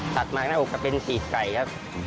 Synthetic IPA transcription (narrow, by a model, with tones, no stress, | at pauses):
sa˨˩t̪̚maː˨˩k̚naː˦˥˩ʔoː˨˩ka˧˩pe˧nsiː˨˩t̚ka˨˩jka˦˥